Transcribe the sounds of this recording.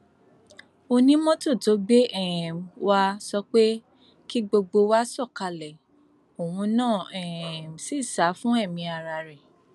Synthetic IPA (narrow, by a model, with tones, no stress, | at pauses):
o˧nĩ˦mɔ̃˦to˦˨to˨˦ɡ͡be˦ɛ˦˨m˨wa˧sɔ˧k͡pe˦ | ki˦ɡ͡bo˧ɡ͡bo˧wa˦sɔ˦˨ka˧lɛ˨ | o˨wũ˧nãː˦˨ɛ˨m˨si˦˨sa˨˦fũ˦ɛ˦˨mĩ˧a˧ɾa˧ɾɛ˨